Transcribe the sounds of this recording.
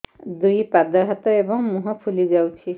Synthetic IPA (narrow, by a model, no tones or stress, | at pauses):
d̪ujpad̪ɔɦat̪ɔebɔŋmuɦɔpʰulizawt͡ʃʰi